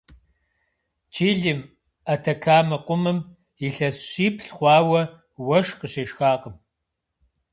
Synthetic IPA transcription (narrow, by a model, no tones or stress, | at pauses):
t͡ʃiːɮim | ɐtʰɐkʰaːmɐqʷʊmɨm | iɬɐsɕiːpɬχʷɑːwɐ | wɐʂqəɕeːʃxaːqəm